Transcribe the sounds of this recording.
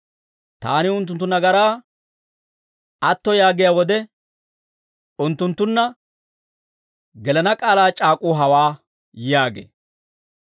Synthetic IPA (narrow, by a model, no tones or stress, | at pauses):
t̪a̰ːnɪʊnt̪ːʊnt̪ːʊnɐɡɐɾaː | ɐt̪ːɔjaːɡɪjaːwɔd̪ɛ | ʊnt̪ːʊnt̪ːʊnːɐ | ɡɛlɐnɐkʼaːlaːt͡ʃʼaːkʼʊɦɐwaː | jaːɡḛː